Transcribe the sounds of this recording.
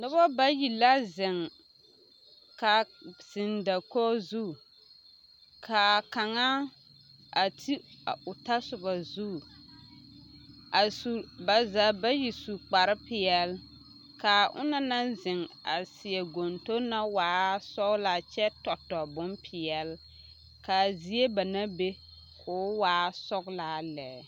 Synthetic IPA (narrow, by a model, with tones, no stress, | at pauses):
dʊ˦bɔ˦ba˦ji˨la˦zɪ˨ŋ | ka˨sɪ˨nda˨kɔ˦zu˦˨ | kʰa˨ka˨ŋa˦ | a˨tʰi˦a˨ʊ˨ta˦sʊ˨ba˨zu˦˨ | a˨su˨ba˨za˨ba˦ji˨su˨k͡pa˨ɾɪ˦pɪ˨ɛ˨l | ka˨ʔʊ̰˦na˦na˦zɪ˨ŋa̰˨sɪ˨ɛ˨ɡo˨nto˦na˦waː˨˦sɔ˦ɡla˦t͡ʃɛ˦tɔ˨tːɔ˨bʊ˦npʰɪ˨ɛ˨l | ka˨zi˨e˦ba˨na˦be˦ | kʰʊː˨˦waː˨˦sɔ˦ɡlaː˦lɛː˨˦